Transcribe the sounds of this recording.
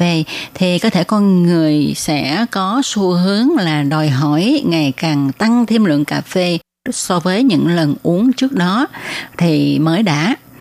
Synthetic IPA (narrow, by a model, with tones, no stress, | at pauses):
e˧t̪ʰi˨˩kɔ˨˦t̪ʰe˧˩kɔ˧nŋɨ˨˩əjsɛ̰˧˥kɔ˨˦su˧ɦɨ˨˦əŋlaː˨˩ɗɔ˨˩jɦɔ˧˩jŋa˨˩jkaː˨˩ŋt̪a˧ŋt̪ʰi˧əmlwɨ̰˧˨əŋkaː˨˩fe˧ | sɔ˧vəː˨˦jɲɨ̰˧˥ŋlə˨˩nʔu˨˦əŋt͡ɕɨ˦˥ək̚ɗɔ˨˦t̪ʰi˨˩məː˨˦jɗa̰ː˧˥